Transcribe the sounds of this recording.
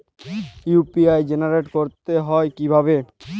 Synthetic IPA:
jupiajd͡ʑenaɾeʈkoɾt̪eɦɔekibʱabe

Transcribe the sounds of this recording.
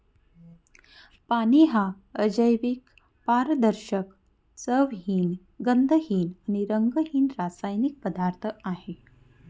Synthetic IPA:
paniɦa | əd͡ʑəjʋik | paɾd̪əɾɕək | səʋɦiːn | ɡənd̪ʱəɦiːnañiɾəŋɡəɦiːnɾasajnik̚pəd̪aɾt̪ʰəaɦe

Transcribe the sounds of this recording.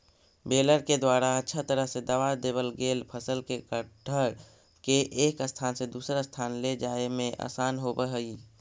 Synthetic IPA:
beləɾked̪waɾaətːʃʰat̪əɾəɦsed̪əʋad̪eβəlɡelpʰəsəlkekəʈʰəɾ | keʔekəst̪ʰansẽd̪usəɾəst̪ʰanled͡ʒaemẽʔa̰sanɦobəɦəi

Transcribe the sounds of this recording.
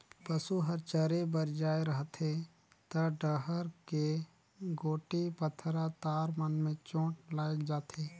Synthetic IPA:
pəsuɦəɾt͡ʃəɾebəɾd͡ʒaːeɾəɦt̪ʰe | t̪əɖəɦəɾke | ɡoːʈipət̪ʰɾat̪aːɾmənmẽt͡ʃõːʈlaːkd͡ʒaːt̪ʰeː

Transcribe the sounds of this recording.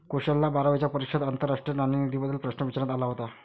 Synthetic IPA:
koɕəlːabaɾaʋəjt͡ɕjapəɾikʂəd̪ant̪əɾːaʂʈɾiənaninid̪ʱibəd̪ʱːilpɾəɕnəʋit͡ɕɾat̪alaɦot̪a

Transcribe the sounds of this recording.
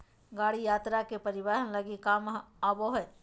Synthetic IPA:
ɡaːɽijaːt̪ɾakepəɾɪβaːɦənləɡikaːmaboɦɛː

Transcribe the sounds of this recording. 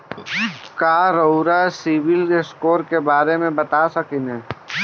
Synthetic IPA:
kaːɾoʊɾasiʋɪleskoːɾkebaːɾemẽbɐt̪asɐkinɛː

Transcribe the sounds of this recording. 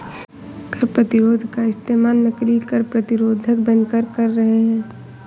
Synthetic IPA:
kəɾpɾɐt̪ɪɾoːd̪ʱkaɪst̪eːmaːlnɐklikɐɾpɾɐt̪ɪɾoːd̪ʱək̚bə̃nkəɾkɐɾːɐɦeɦɛ̃ː

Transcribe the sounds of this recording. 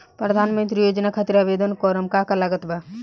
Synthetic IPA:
pɾəd̪ʱanmə̃nt̪ɾijod͡ʒnakʰat̪iɾabed̪ənkɔɾəmkakalaɡət̪ba

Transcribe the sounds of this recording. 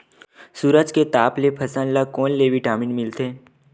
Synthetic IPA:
suːɾəd͡ʒket̪aːplepʰɐsə̃nləkoːnleːʋiʈaːmiːnmɪlt̪eː

